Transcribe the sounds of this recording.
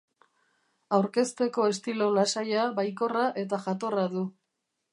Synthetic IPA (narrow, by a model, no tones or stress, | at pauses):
awɾke̞st̪e̞ko̞e̞st̪ilo̞lasajaβajko̞raʔe̞t̪aʝat̪o̞raðu